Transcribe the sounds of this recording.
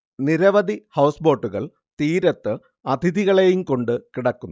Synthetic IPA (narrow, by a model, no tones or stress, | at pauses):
niɾɐʋɐd̪ihɐwsbo̞ːʈːuɣɐɭ | t̪iːɾɐt̪ːɨ | ɐt̪ʰiðiɣɐɭejumko̞ɳɖɨkiɽɐkːunː